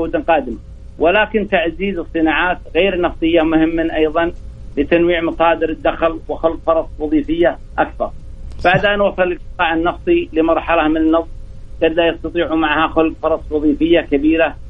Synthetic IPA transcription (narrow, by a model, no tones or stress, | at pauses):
oːd̪ɪnqɑːd̪ɪma | wɪlaːkɪnt̪aʕziːzɨsˤːɨnaːʕaːt̪ɣeːɾnɑft̪ˤɨjːamʊhɪmːaʔɑjðˤɑnlɪt̪anwiːʕmɑsˤɑːd̪ɪɾɪd̪ːaxlwɪxʊlbfɑɾˤɑsˤwɑðˤiːfɪjːa | ʔakθɑ̰ɾˤ | b̥aʕd̪ʔanwɑsˤːɑlːɪlqt̪ɨ̥t̪ˤɑːʕanːɑft̪ˤilɪmɑɾˤħɑlahmɪnɪnːɑsˤː | ɡɑd̪lajɑst̪ɑt̪ˤiːʕumaʕhaxʊlb̚fɑɾˤɑsˤwɑðˤiːfɪjːakabiːɾa